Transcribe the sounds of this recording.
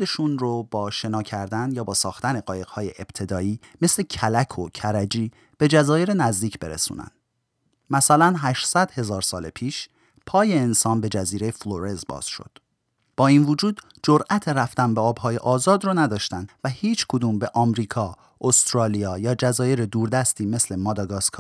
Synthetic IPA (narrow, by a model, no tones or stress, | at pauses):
d̪eʃunrob̥ɒːʃe̞nɒːcʰæɾd̪ænjɒːbɒːsɒːxt̪æne̞ɢɒːje̞ɣ̥hɒːjeʔeb̥t̪ʰe̞d̪ɒːiːme̞slecʰælækʰocʰæɾæd͡ʒiː | b̥e̞d͡ʒæzɒːje̞ɾenæzd̪iːcʰb̥e̞ɾḛsṵːnæ̰nd̪̥ | mæsælænɦæʃsæd̪̥he̞zɒːɾsɒːlepʰiːʃ | pʰɒːje̞ːnsɒːnbe̞d͡ʒæziːɾejefloɾezbɒ̰ːz̥ʃo̰d̪̥ | b̥ɒːiːnvod͡ʒuːd̪ | d͡ʒoɾʔæt̪ʰeɾæft̪ænbeɒːbhɒːje̞ʔɒːzɒːd̪ɾɔːnæd̪ɒːʃt̪ænd̪væhiːt͡ʃʰkʰod̪uːmbe̞ʔɒːmɾiːkʰɒː | ʔost̪ɾɒːlijɒːjɒːd͡ʒæzɒːje̞ɾed̪uːɾd̪æst̪iːme̞sle̞mɒːd̪ɒɡɒːskʰɒ